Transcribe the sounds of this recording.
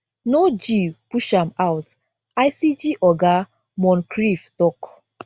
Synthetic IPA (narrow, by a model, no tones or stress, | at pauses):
nod͡ʒipuʃãmawt | ajsid͡ʒiʔɔɡa | mɔ̃nkɾiftɔk